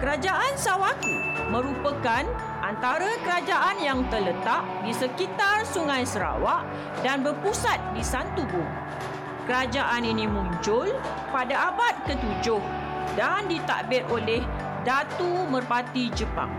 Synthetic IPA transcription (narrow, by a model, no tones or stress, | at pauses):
kəɾad͡ʒaʔansawaku | mə̃ɾupəkan | ʔant̪aɾakəɾad͡ʒaʔanjaŋt̪ərlət̪aʔdisəkit̪arsuŋãjsəɾa̰waʔ | danbərpusat̪̚disant̪ubʊŋ | kəɾad͡ʒaʔaninĩmũɲt͡ʃʊl | padaabat̪̚kət̪ud͡ʒʊh | dandit̪a̰ʔbɪt̪oleh | dat̪umərpat̪id͡ʒəpa̰ŋ